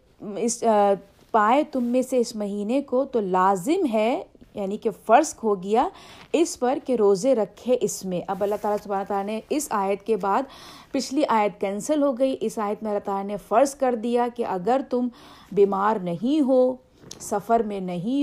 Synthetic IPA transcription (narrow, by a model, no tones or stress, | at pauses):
ɪs | paːet̪ʊmːẽseɪsmɐɦiːnekot̪olaːzɪmɦɛjaːnikefɐɾskɦoɡɪjaɪspɐɾkeɾoːzeɾɐkʰːeʔɪsmẽʔɐbɐlːaɦt̪aːlasʊbʱaːnat̪aːlaneɪsaːjət̪kebaːd̪pɪt͡ʃʰliʔaːjət̪kɛ̃ːnsəlɦoɡɐiʔɪsaːjət̪̚mẽɐlaɦt̪aːlanefɐɾskɐɾd̪ijakeʔɐɡəɾt̪ʊm | biːmaːɾnɐɦĩɦo | sɐfəɾmẽnɐɦĩ